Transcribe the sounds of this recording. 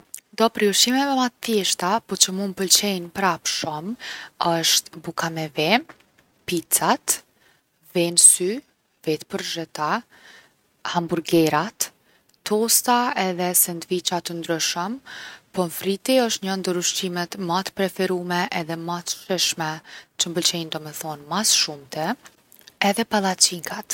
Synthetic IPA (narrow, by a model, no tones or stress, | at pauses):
nd̪ɔpɾiuʃimɛvɛmat̪θjɛʃt̪apɔt͡ɕəmunpəlt͡ɕɛjnpɾapʃɔməʃt̪bukamɛvɛ | pit͡sat̪ | vɛnsy | vɛt̪pəɾʒɛt̪a | hambuɾɡɛɾat̪ː | ɔst̪aɛðɛsɛnd̪vit͡ɕat̪ənd̪ɾyʃəmpɔfɾit̪iəʃt̪ɲənd̪əɾuʃt͡ɕimɛt̪mat̪pɾɛfɛɾumɛʔɛðɛmat̪ʃɛʃmɛt͡ʃəmbəlt͡ʃɛjnd̪ɔmɛθɔnmasʃumt̪ɛ | ɛðɛpalˠat͡ɕiŋkat̪